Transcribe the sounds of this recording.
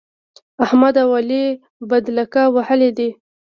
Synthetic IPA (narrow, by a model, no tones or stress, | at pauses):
ahmad̪awali | bad̪lakawahəled̪e